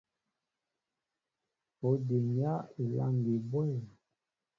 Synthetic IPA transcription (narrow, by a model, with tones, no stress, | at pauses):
o˨˦de˨ŋ˨ja˦i˨la̰˦ŋ˨ɡe˨bɔ˦˨